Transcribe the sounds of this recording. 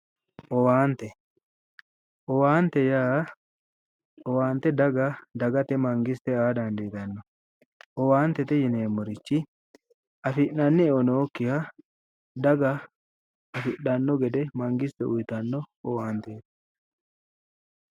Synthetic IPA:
ʔɔwaːnt̪ːɛ | ʔɔwaːnt̪ːɛjaː | ɔwaːnt̪ːɛd̪ɐɡɐd̪ɐɡɐt̪ɛmɐŋɡɪst̪ːɛaːd̪ɐnd̪iːt̪ɐnːɔ | ʔɔwaːnt̪ːɛt̪ɛjɪneːmːɔɾɪt͡ʃːɪ | ɐfɪʔnɐnːɛɔnoːkːɪhɐ | d̪ɐɡɐ | ɐfɪɗːɐnːɔɡɛd̪ɛmɐŋɡɪst̪ɛʊjt̪ɐnːɔɔwaːnt̪eːt̪ɐ̥

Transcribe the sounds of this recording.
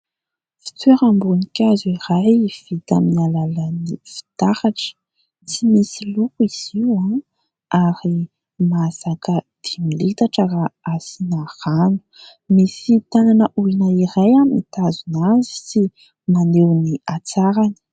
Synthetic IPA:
fi̥t͡sweɾambunikʲaziɾajv̥it̪amnalalənifi̥t̪ahaʈ͡ʂə̥ | t͡simisilukuiz̥iwa | aɾi | mazakəd̪̥imilit̪aʈ͡ʂaraasinahanu̥ | misit̪ananəʔuinəiɾajamit̪azunazi̥si | manewniat͡saɾani̥

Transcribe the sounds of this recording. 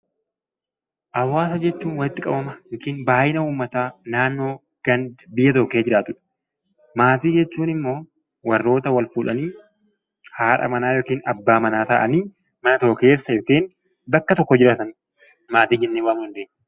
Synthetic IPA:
ʔɐwːaːsɐd͡ʒɛt͡ʃːuːnwɐlɪt̪ːɪkʼɐbɐmɐjoːkiːnbaːjɪnɐuːmːɐt̪aːnaːnːo̞ː | ɡ̥ɐnbɪjːɐt̪ɔkːeːd͡ʒɪɾaːt̪ʊᶑɐ̥ | maːt̪iːd͡ʒɛt͡ʃːuːnɪmːo̞ː | wɐrːo̞ːt̪ɐwɐlfuːlʔɐniː | haːᶑɐ̰mɐnaːjoːkiːnɐbːaːmɐnaːt̪ɐʔɐniː | mɐnɐt̪oke̞ːsːɐjoːkiːn | bɐkːɐt̪ɔkːɔd͡ʒɪɾaːt̪ɐn | maːt̪iːd͡ʒɛnːeːwaːmʊnd̪eːɲː

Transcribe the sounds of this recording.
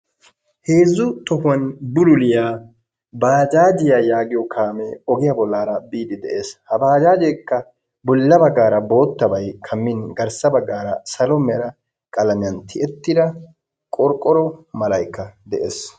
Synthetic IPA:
he̞ːzːʊt̪ɔhʊwɐnbʊlʊlɪjaː | baːd͡ʒaːd͡ʒɪjajaːɡɪjɔkʰaːmɛɔɡɪjɐbɔlːaːɾɐbiːd̪ɪd̪ɛʔe̞ːshɐbaːd͡ʒaːd͡ʒɛkːɐ | bʊlːɐbɐɡːaːɾɐbo̞ːt̪ːɐbɐjkʰɐmːɪnɡɐɾsɐbɐɡːaːɾɐsɐlɔmːɛjɐɾɐ | kʼɐlɐmɪɐnt̪ʰɪʔɛt̪ːɪd̪ɐ | kʼɔɾkʼːɔɾɔmɐlɐjkːɐd̪ɛʔḛːs

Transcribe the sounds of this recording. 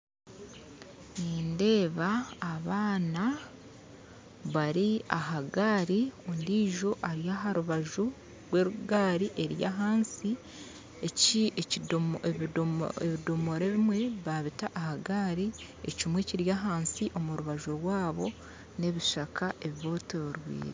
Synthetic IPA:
niːnde̞ːβaːβaːna | βaɾiaɦaɡaɾiondiːʒo̞ʔaɾjaɦaɾuβaʒu | ɾwe̞ːɾuɡaːɾiʔe̞ɾjaɦaːnsi | ecieeeβidomo̞ɾe̞βimwe̞βaβitaʔːhaɡaːɾi | ḛcimwe̞ciɾjaɦaːnsiʔo̞muɾuβaʒuɾwaːβo̞ | ne̞βiʃakaʔe̞βiβo̞ːtoɾwḭːɾe

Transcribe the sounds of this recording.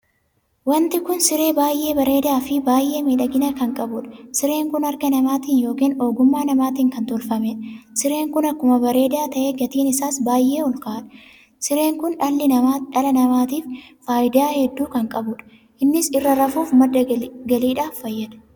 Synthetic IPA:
wɐnt̪ɪkʊnsɪɾe̞ːbaːjʔe̞ːbɐɾe̞ːd̪aːfɪbaːjʔːe̞ːmeːᶑɐɡɪnɐkɐŋkʼɐbʊᶑɐsɪɾe̞ːŋkʊnɐɾɡɐnɐmaːt̪iːnjo̞ːkiːno̞ːɡʊmːaːnɐmaːt̪iːŋkɐnt̪ɔlfɐmeᶑɐsɪɾe̞ːŋkʊnɐkːʊmɐbɐɾe̞ːd̪aːt̪ɐʔe̞ːɡɐt̪iːnɪsaːsbaːjʔe̞ːʊlkaːᶑɐ̥ | sɪɾe̞ːŋkʊnᶑɐlːɪnɐmaːᶑɐlɐnɐmaːt̪iːffaːjd̪aːhɛd̪ːuːkɐŋkʼɐbʊᶑɐ̥ | ʔɪnːɪsɪrːɐɾɐfuːfmɐdːɐɡɐliːᶑaːfːɐjːɐᶑɐ̥

